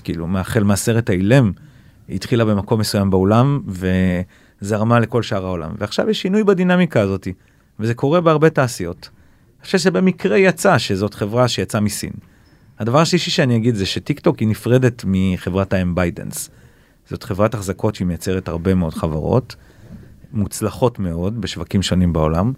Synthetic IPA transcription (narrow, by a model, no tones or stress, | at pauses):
kiːlṵmeaχelmaase̞ʁetailem | ḭt̪χilabe̞mako̞mːesujambeo̞lamve̞ | zeaʁmale̞ko̞lʃaʁao̞la̰mveaχʃa̰vjeʃːinujbadinamikaːzo̞ti | veze̞ko̞ʁe̞beaʁbe̞taːsijo̞t | eχʃevʃ̬ebe̞mikʁe̞jat͡saʃe̞zo̞tχevʁaʃejat͡samisḭn | had̪avaʁaʃliʃiʃeaniaɡid̪zeʃetikto̞kinifʁe̞de̞tmiχe̞vʁataembajdḛns | z̥o̞tχevʁataχzako̞tʃimejat͡seʁethaʁbe̞meo̞dχava̰ʁo̞̰t | mut͡slaχo̞tme̞o̞dbeʃvakimʃo̞nimbao̞̰lam